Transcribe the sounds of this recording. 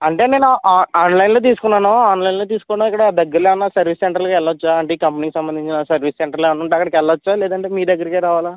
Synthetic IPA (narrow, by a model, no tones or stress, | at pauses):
ɐɳʈe̞ːne̞ːnuʔaːnlɐjnloːt̪̬iːsu̥kunːaːnuaːnlɐjnlo̞ːt̪̬iːsu̥kɔnaːikːɐɽɐd̪ɐɡːɐɾleːɐnːaːsɐɾʋiːsseɳʈɾɐɾlkɛlːɐʋɐt͡ʃːaɐɳʈeiːkɐmpɐniːkisɐmbɐnd̪iɲt͡ʃinɐsɐɾʋiːsseɳʈɾɐɾleːʋɐnːuɳʈːɐkːɐɽɐkɛlːɐɐt͡ʃːaːlɛːd̪ɐɳʈe̞ːmiːɾd̪ɐɡːɐɾɐkiːɾaːʋaːla